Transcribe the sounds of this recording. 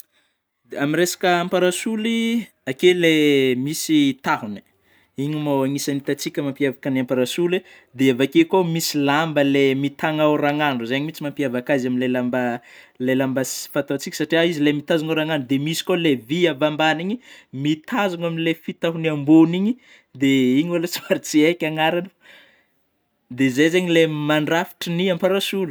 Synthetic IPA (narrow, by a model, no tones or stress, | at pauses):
aminɾesḁkəampaɾasuli | akelemisit̪aɦuni̥ | iɲimaaŋisanit̪at͡sikʲəmampiavakəniampaɾasule | d̪eavakekomisilambəlemit̪aŋawraŋanuzaɲimit͡simampiavakazaminlelamba | lelambasi̥fant̪aat͡sikʲə̥saʈ͡ʂiaizilemit̪azuŋawɾaŋanɖ͡ʐud̪emisi̥koleviavambaniɲimit̪ʰazuŋaminilefit̪aɦunamboniɲi | d̪eiɲalat͡simaɾit͡siekʲaŋaɾanə̥ | d̪ezejzeɲilemaɳɖ͡ʐafi̥ʈ͡ʂiniampaɾasulu̥